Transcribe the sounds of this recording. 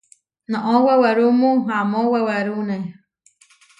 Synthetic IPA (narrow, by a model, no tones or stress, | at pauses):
nãʔoweweɾumũɦamoweweɾunẽ